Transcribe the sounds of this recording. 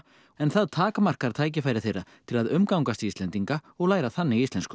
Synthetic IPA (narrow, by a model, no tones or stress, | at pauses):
ɛnθaðt̪ʰaːkamar̥kaɾ̥t̪ʰaːjc̬ɪfaːjɾɪθejrːat̪ʰɪlaðʏmkawŋkast̪ɪist̪lɛnt̪iŋkaɔɣlaːjɾaθanːɪist̪lɛnskʏ